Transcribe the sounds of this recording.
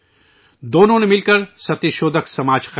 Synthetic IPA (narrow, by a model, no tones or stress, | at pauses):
d̪oːnõnemɪlkəɾsɐt̪jeʃoːd̪əksɐmaːd͡ʒx